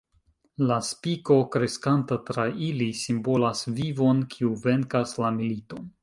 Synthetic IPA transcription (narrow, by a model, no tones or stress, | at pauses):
laspiko̞kɾe̞skantatɾaʔilisimbo̞lasvivo̞nkʰiuve̞ŋkaslamilito̞n